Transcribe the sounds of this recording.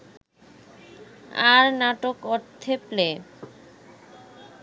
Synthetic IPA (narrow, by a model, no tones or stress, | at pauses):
aɾnaʈokɔɾt̪ʰːeple